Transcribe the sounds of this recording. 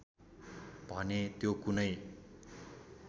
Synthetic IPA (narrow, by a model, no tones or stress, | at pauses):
bʱʌnet̪jokunʌj